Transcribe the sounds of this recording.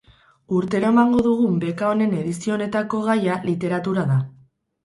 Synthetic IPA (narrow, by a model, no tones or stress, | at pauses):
uɾt̪e̞ɾoemaŋɡo̞ðuɣ̞umbe̞kao̞ne̞ne̞ðisio̞ːne̞t̪ako̞ɣ̞ajalit̪e̞ɾat̪uɾaða